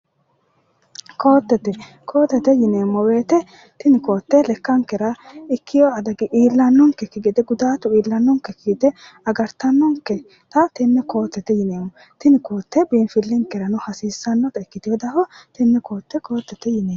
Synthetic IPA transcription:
ko̞ːt̪ːɛt̪ɛ | kʰo̞ːt̪ːɛt̪ɛjɪneːmːɔwe̞ːt̪ɛ | t̪ɪnɪko̞ːt̪ːɛlɛkːɐŋkɛɾɐɪkːɪjɔɐd̪ɐɡɪʔiːlːɐnːɔŋkɛkɪɡɛd̪ɛɡʊd̪aːt̪ʊiːlːɐnːɔŋkɛkiːt̪ɛ | ɐɡɐɾt̪ɐnːɔŋkɛ | t̪ɐt̪ɪnːɛko̞ːt̪ːɛt̪ɛjɪneːmːɔ | t̪ɪnɪkoːt̪ːɛbiːnfɪlːɪŋkɛɾɐnʊhɐsiːsːɐnːɔt̪ɐɪkːɪt̪ɪjɔd̪ɐhɔt̪ɪnːɛko̞ːt̪ːɛko̞ːt̪ːɛt̪ɛjɪneː

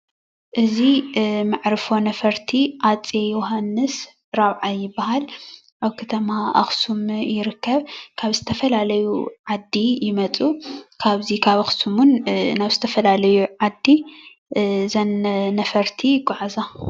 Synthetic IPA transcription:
ʔɨzimaʕɾɨfo̞nɐfɐɾt̪ʰiʔat͡sʼejoɦanːɨs | ɾaβʕajɪbːaɦal | ʔaβkʰɐt̪ʰɐmaʔɐ̰xsumjɪɾɨkʰːɐβkʰaβzɨt̪ʰɐfɐlalɐjuʕad̪ːijɪmɐt͡sʼukʰaβzikʰaβɐxsumunnaβzɨt̪ʰɐfɐlalɐjuʕad̪i | zɐnnɐfɐɾt̪ʰiɡʼʊʕza

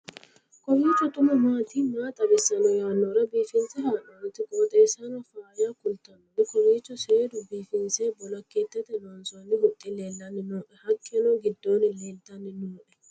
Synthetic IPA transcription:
kɔriːt͡ʃːɔt̪ʊmɐmaːt̪iːmaːt̪ʼɐbɛsːɐnɔjaːnːɔɾɐbiːfɪnsɛɦaːnɔɾɔt̪ːɪkʼoːt̪ʼɛːsɐnɔfaːjaːkʊlt̪ɐnːɔnɪkɔriːt͡ʃːɔseːd̪ʊbiːfɪnseːbɔlɐkːeːt̪ːɛt̪ɛloːnsɔnːɪhʊt̪ʼːɪleːlːɐnːɪnoːʔɛhɐkʼːɛnɔɡɪd̪ːoːnɪleːlt̪ɐnːɪnoːᶑɛ

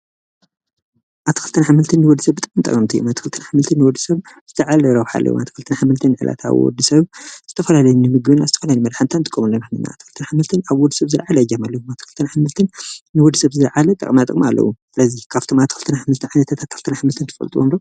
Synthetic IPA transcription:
ʔat̪ɨ̥xɨlt̪ʰɨnħamɨlt̪ʰɨnːɨwɔd̪ːisɐβbɨt̪ʼɨkʼmint̪ʼɐ̰kʼɐmt̪ʰɨjːṵmat̪ɨ̥xɨlt̪ʰɨnħamɨlt̪ʰɨnːɨwɔd̪ːɨsɐβz̥ɨt̪ʰɐʕalɐɾɐβħa̰lːɐ̰wṵmat̪ʰɨ̥kɨlt̪ʰɨnħamɨlt̪ʰɨnʕɨ̰lʔa̰t̪ʰa̰β̰wɔ̰d̪ːɨsɐβz̥ɨt̪ʰɐfɐlalɐjunɨmɨɡβɨnazɨt̪ʰɐ̥fɐlalimɐd̪ħant̪ʰant̪ʼɨ̥kʼːɐmulːomɨħmɨna̰ːt̪ʰɨxɨlt̪ʰɨnħamɨlt̪ʰɨnaβwɔd̪ɨsɐβzɨɾʕalɐjːɐmalːɐwumat̪ʰːɨxɨlt̪ʰɨnħamɨlt̪ʰɨnnɨwɔd̪ːɨsɐβzɨɾʕalɐt̪ʼɐ̰kʼmat̪ʼɨ̰kʼmialːɐ̰wusɨlɐzikʰaft̪ʰomat̪ʰːɨxɨlt̪ʰɐnaħamɨlt̪ʰɨnʕajnɐt̪ʰat̪ʰat̪ʰːɨxɨlt̪ʰɨnaħamɨlt̪ʰɨnt̪ʰɨ̥fɐ̰lt̪ʼuwo̰nd̪o

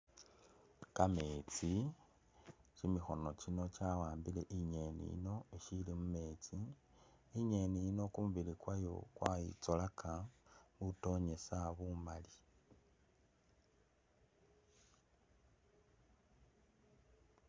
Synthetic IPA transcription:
kamet͡si | t͡ʃimixo̞no̞t͡ʃino̞t͡ʃawaːmbile̞̰ʔiɲe̞nḭḭno̞iʃilimume̞ːt͡siː | ɲe̞nijino̞kumuβilikwajo̞̰kwajḭt͡solakʰaβuto̞ɲe̞saβumali

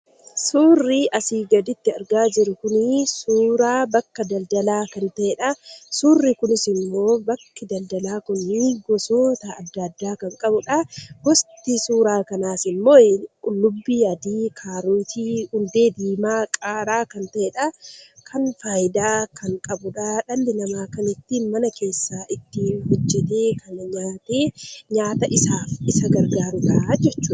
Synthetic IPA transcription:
suːrːiʔɐsiːɡɐd̪ɪt̪ːɪɐɾɡaːd͡ʒɪɾʊkʊnɪsuːɾaːbɐkːɐd̪ɐld̪ɐlaːkɐnt̪ɐʔɛᶑɐsuːrːɪkʊnɪsɪnmːo̞ːbɐkːɪd̪ɐld̪ɐlaːkʊnːiɡɔsoːt̪ɐːd̪ːɐd̪ːaːkɐŋkʼɐbʊᶑɐɡɔst̪isuːɾaːkɐnaːsɪmːoːɪkʼʊlːʊbːiːɐd̪iːkʰaːɾuːt̪ʰiːhʊnd̪e̞ːd̪iːmaːkʼaːɾaːkɐnt̪ɐʔeːᶑɐkʰɐnfaːjɪd̪aːkʰɐŋkʼɐbʊᶑaːᶑɐlːɪnɐmaːkɐnɪt̪ːiːnmɐnɐke̞ːsːaːʔɪt̪ːɪhɔd͡ʒːɛt̪e̞ːkʰɐnɐɲaːt̪eːɲaːt̪ɐʔɪsaːfɪsɐɡɐɾɡaːɾʊᶑad͡ʒɛt͡ʃːuː

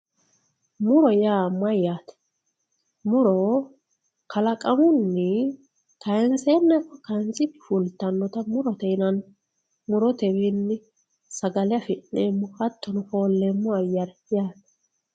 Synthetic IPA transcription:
mʊɾɔjaːmːɐjaːt̪ɛ̥ | mʊɾɔ | kʰɐlɐkʼɐmʊnːɪ | kɐjɛnsenːɛkːɔkɐjnt͡sɪpːɪ̥fʊlt̪ːɐnːɔt̪ɐmʊɾɔt̪ɛjnɐn | mʊɾɔt̪ɛwinːɪ | sɐɡɐlɛɐfɪnːeːmːɔhɐt̪ːɔnʊfo̞ːlːeːmːɔɐjːɐɾɛjaːt̪ɛ̥

